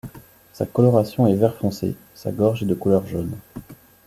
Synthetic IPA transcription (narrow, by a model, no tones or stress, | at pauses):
sa̰kɔlɔʁasjɔ̃ɛvɛʁfɔ̃sḛ | sa̰ɡɔʁʒed̪əkulœʁʒon